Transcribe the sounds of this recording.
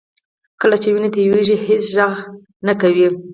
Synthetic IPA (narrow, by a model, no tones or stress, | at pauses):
kəlat͡ʃewinet̪eweʒihesʒaɣ | nakawi